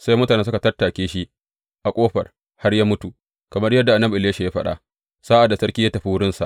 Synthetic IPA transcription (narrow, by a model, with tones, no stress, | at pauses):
sa˦jmʊ˦taː˨neː˦s̬ʊ˦ka˨tɐ˦rtaː˨kʲeː˦ʃi˦ʔ | ʔa˨kʷʼoː˦ɸɐ̰˨r | ha˦rjaː˦mʊ˦tu˨ | kɐ˨mɐ˦rjɐ˦dːa˨ʔa˨nːɐ˦bʔɪ˨leː˦ʃa˨ja˦ɸɐ˦ɗa̰ː˦ | sa˦ʔa˨dːa˨sɐ˦ɾkʲi˦ja˦tɐ˨ɸi˦wʊ˦ɽɪ˦nsa̰˨ʔ